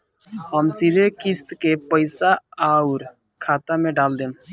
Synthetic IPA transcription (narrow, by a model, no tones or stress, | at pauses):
ɦəmsid̪ʱekɪst̪kepəɪsaauɾ | kʰaːt̪amẽɖaːld̪ẽːn